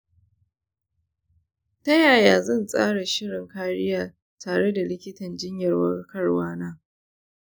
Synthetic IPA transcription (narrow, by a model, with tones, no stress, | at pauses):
tɐ˦jaː˨jaː˨zɐ˦˨nsʼa̰ː˦ɽa˨ʃɪ˦ɽɪ˨ŋkaː˦ɽɪ˦jaː˨ | tʰaː˨ɽe˦da˨lɪ˦kʲɪ˦tɐ˨nd͡ʒɪ˦ɲjɐ˨rwɐ˦rkɐ˦rwaː˦naː˦